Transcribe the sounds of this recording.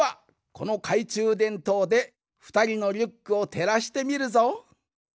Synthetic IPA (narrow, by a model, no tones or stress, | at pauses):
a | ko̞no̞kʰait͡ɕɨːd̪ẽ̞nt̪o̞ːd̪e̞ | ɸɯ̟̥t̪aɾʲino̞ɾʲɯkːɯ̟ot̪ʰe̞ɾaɕi̥t̪e̞mʲiɾɯ̟zo̞